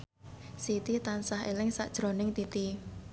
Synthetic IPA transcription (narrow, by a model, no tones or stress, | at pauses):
sit̪it̪ansaɦelɪŋsa̰ʔd̥ʒ̥ɾonɪŋt̪it̪i